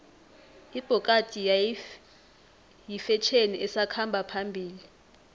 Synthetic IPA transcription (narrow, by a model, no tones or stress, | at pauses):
ib̥ʱɔkʼatʼij | jifɛt͡ʃʰeniʔɛsakʰambʱapʰambʱiːli